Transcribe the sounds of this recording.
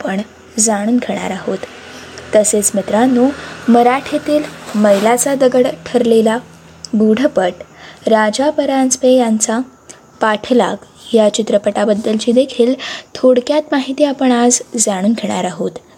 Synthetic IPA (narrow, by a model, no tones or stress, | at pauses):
pəɳ | d͡zaɽ̃uːnkʰeɽ̃a̰ɾaɦo̰t̪ː | əset͡smit̪ɾanuməɾaʈʰet̪iːlməjlat͡sad̪əɡəɽʈʰəɾlela | buɽ̤ʱəpəʈɾad͡ʑapəɾant͡spejant͡sa | paʈʰla̰k | jat͡ɕit̪ɾəpəʈabəd̪ːəlt͡ɕiːd̪ekʰiːlt̪ʰoɽkjat̪maɦit̪iːapəɳad͡zd͡zaɽ̃uːnɡʰeɽ̃a̰ɾaɦot̪